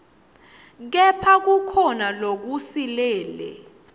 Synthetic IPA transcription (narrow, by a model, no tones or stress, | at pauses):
k̬ɛpʰak̬ukʰɔnalok̬usilɛːlɛ̰